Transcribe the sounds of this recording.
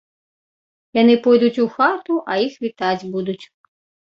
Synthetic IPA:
janɨpɔjd̪ut͡sʲuxat̪uʔɐjixvʲit̪ad͡zʲbud̪ut͡sʲ

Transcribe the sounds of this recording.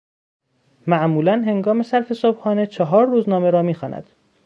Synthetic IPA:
mæʔmuːlænɦe̞ŋɡɒːme̞sæɾfesobhɒːne̞t͡ʃʰɒɦɒːɾːuːznɒːme̞ɾɒːmiːxɒːnæ̰d̪̥

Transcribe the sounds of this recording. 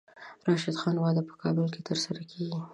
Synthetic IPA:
ɾɑʃɪd̪xɑnwɑd̪apə̥kʰɑbəlket̪ʰəɾsaɾakʰeɡi

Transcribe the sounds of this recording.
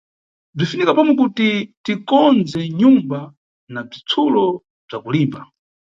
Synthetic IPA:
b͡ʐifinikapɔmwɛkutitikɔnd͡zɛɲumba | nab͡ʐit͡sʰulɔ | b͡ʐakuliːmba

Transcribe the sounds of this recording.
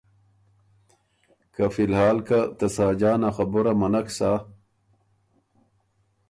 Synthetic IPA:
kafilhaːlkat̪ɐsaːd͡ʑaːnaxɐbuɾamɐnɐksa

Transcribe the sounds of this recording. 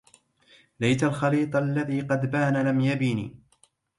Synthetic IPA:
lajt̪alxɑliːt̪ˤlːaðiːqɑd̪baːnalamjabiːnḭː

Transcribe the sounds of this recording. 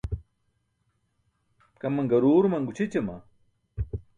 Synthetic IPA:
kɐmɐŋɡɐɾuːɾmɐŋɡut͡ɕʰit͡ɕɐmɐ̰

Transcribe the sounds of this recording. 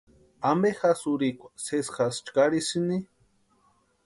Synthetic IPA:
ambexasuɾikʷasesxast͡ʃkaɾisini

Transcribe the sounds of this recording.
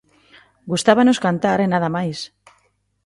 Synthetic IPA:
ɡust̪aβanoskant̪aɾenaðamajs

